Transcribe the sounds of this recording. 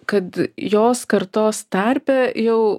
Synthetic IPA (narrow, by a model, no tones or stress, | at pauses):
kɐt̪joːskɐɾt̪oːst̪ɐɾʲpʲɛjɛʊ